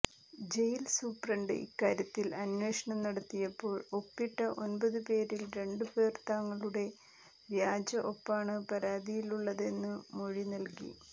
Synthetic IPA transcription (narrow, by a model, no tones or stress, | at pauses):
d͡ʑe̞jlsuːprɐɳɖɨ̰ʔḭkːaːɾjɐt̪ːilɐnwe̞ːʂɐɳɐmnɐɽɐt̪ːijɐpːo̞ːɭo̞pːiʈːɐʔo̞nbɐðɨpe̞ːɾilɾe̞ɳɖɨpe̞ːrt̪aːŋːɐɭuɽe̞ | ʋjaːd͡ʑɐʔo̞pːaːɳɨpɐɾaːd̪ijiluɭːɐðe̞nːɨmo̞ɻinɐlkḭ